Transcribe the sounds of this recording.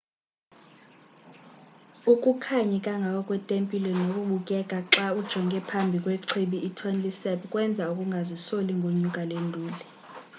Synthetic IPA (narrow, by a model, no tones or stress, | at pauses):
ukʼukʰaɲɛkʼaŋɡʱakʼɔkʼwɛtʼempʼilɛnokʼuɓukʼɛkʼaǁaud̥ʒ̥ʱɔŋɡʱɛpʰambʱikʼweǀʰiɓiʔːtʰɔnlisɛpkʼwɛnd͡zʱaukʼuŋɡʱazisoliŋɡʱoɲukʼalendʱuːlɛ